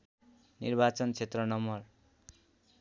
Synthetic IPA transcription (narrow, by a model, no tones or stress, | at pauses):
nḭrbat͡sʌnt͡sʰet̪rʌnʌmʌr